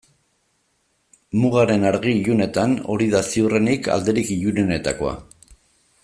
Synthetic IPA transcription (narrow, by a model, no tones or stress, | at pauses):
muɣaɾe̞naɾɣiʎune̞t̪ano̞̰ɾiðasiure̞nika̰ld̪e̞ɾikiʎunene̞t̪a̰ko̞̰a̰